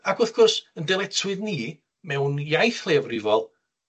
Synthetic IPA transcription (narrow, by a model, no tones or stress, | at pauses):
aɡʊθɡ̥ʊrsəndɛlˠɛtʰwɨðniː | mɛwnjajθlˠɛːvrɪvɔlˠ